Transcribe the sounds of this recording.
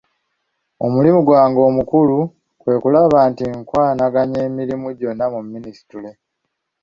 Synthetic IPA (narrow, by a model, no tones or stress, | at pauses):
o̞mulimuɡwaːŋɡo̞ːmukulu | kwe̞ːkulaβaːntiŋkwaːnaɡaɲe̞ːmiɾimuɟo̞nːamumːinisi̥tule̞